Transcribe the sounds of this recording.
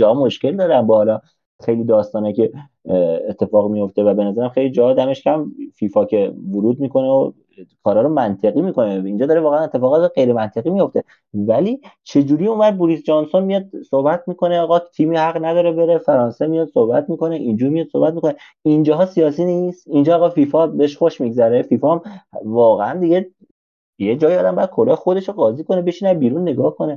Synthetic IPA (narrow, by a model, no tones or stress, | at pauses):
d͡ʒɒhɒmoʃce̞ld̪ɒːɾænbɒhlɒ | xejliːd̪ɒːst̪ɒːnɑcʰe̞ː | t̪ʰːe̞fɒːɣmijo̞ft̪evæbe̞næzæɾæmxe̞jlid͡ʒɒd̪æme̞ʃcʰʲæmfiːfɒcʰevoɾuːd̪̚miːko̞neo | kʰɒːɾhɒːɾomænt̪ʰe̞ɣimiːko̞neiːnd͡ʒɒːd̪ɒːɾeɒːɣeænet̪ʰːefɒːɣɒːt̪eɢe̞jɾemænt̪ʰe̞ɣiːmijo̞ft̪e̞ | væliːt͡ʃʰe̞d͡ʒuːɾiːumæd̪̚buɾisd͡ʒɒnso̞nmijɒːd̪̥̚sohbæt̪ʰmiːkʰo̞neɒːɣɒt̪ʰiːmiːhæɣnæd̪ɒːɾebe̞ɾefæɾɒːnsemijɒd̪̥sohbæt̪miːko̞neʔind͡ʒuːɾmijɒːd̪̥so̞hbæt̪mikone | ind͡ʒɒːɦɒːsiɒːsiːnist̪ind͡ʒɒːɣɒfifɒbeeʃxoʃmiɡzæɾefifɒmvɒːɣeænd̪iɡe | jed͡ʒɒːjiɒd̪æmbɔjæd̪̚kʰoɾejxo̞d̪e̞ʃoɢɒːziːkʰonebe̞ʃiːnæbiːɾunːe̞ɡɒːhkone